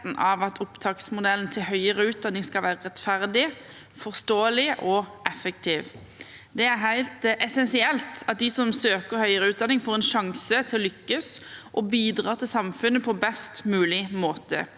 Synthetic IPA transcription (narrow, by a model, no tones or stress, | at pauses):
n̩ʔɑʋɑt̪ʰʊpt̪ʰɑːksmʊd̪ɛln̩t̪ʰɪlhœʏəɾəʉːt̪̚d̪ɑnːɪŋskɑlʋæːʁəʁɛt̪fæʁd̪ɪ | fɔʁst̪oːəlɪʔɔɛfəkt̪ʰiːʋ | d̪ɛæɾɦæɪlt̪ʔɛsɛnsɪɛlt̪ɑt̪̚d̪ɪsɔmsøːkəʁhœʏəɾəʉːd̪ɑnɪŋfoːʁɛnʃɑŋsət̪ʰɪlɔlʏkːəsʔɔbiːd̪ʁɑːt̪ʰɪlsɑmfʉnːəpʰɔbɛst̪mʉːlɪmoːt̪ə̰